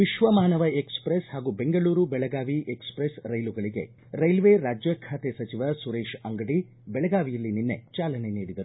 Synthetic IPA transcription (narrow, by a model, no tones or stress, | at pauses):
ʋiʃʋɐmaːnɐʋɐekspɾeshaːɡuːbeŋɡɐɭuːɾubɛɭɐɡaːʋiʔekspɾesɾɐjluɡɐɭiɡe̞̰ | ɾɐjlʋeɾaːd͡ʒjɐkʰaːt̪esɐt͡ʃiʋɐsuɾeːʃɐŋɡɐɽi | bɛɭɐɡaːʋijɐlːininːet͡ʃaːlɐneniːɽid̪ɐɾu